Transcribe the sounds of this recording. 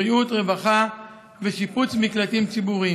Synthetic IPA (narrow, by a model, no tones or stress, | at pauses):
iut̪ʁe̞vaχa | veʃiput͡smiklat̪imt͡sibuʁi